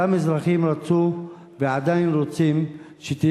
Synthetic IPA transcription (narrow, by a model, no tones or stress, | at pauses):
amizɾaχimɾat͡su | vead̪ajinɾot͡sim | ʃet̪i